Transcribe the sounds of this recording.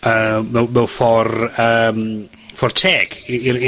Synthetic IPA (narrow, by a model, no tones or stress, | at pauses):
əmɛwmɛwfɔrəːm | fɔrtʰeːɡ̥iiɾi